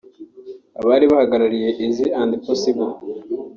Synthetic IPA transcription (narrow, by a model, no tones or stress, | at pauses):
a̰βaːɾiβahaɡaɾaɾije̞ʔiziaːndiposiβo